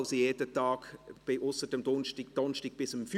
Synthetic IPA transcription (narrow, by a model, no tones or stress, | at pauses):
ʊsojeːdətɑːɡ̥b̥ɪʔʊsədəmd̪ɔnʃtid̥ɔnʃtɪɡ̥̚b̥ɪsəmfy